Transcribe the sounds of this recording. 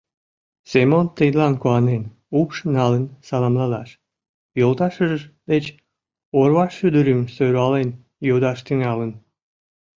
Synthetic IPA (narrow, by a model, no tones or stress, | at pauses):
semont̪əjd̪lɑnkuɑnen | upʃnɑlənsɑlɑmlɑd̪ɑʃ | jolt̪ɑʃəʒəʒd̪et͡ɕ | orβɑʃːyd̪əɾymsøɾɑlen | jod̪ɑʃt̪yŋɑlən